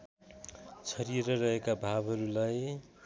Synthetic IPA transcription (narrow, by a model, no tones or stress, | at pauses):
t͡sʰʌɾieɾʌrʌɦekabʱabʱɦʌɾulaj